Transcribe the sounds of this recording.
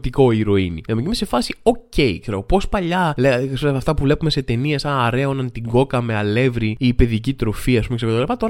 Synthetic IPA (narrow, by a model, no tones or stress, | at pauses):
t̪iko̞iɾo̞iniɐmecimese̞fɐsio̞ce̞ikse̞ɾɣopo̞spɐʎɐlesɐft̪ɐpuvle̞pume̞se̞t̪e̞niesɐɐɾeonɐnt̪iŋɡo̞kɐmeɐle̞vɾiiːpe̞ðicit̪ɾo̞fiɐspumekseot̪ːlipɐt̪oɾ